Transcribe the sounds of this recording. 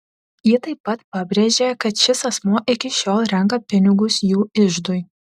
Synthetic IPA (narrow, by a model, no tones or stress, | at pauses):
jɪt̪ɐɪpːɐt̪pɑbʲɾʲeːʒʲekɐt̪ʃʲɪsɐsmoʔɪkʲɪʃʲoːlˠɾʲɛŋkɐpʲɪnʲɪɡʊsjuːɪʒd̪ʊj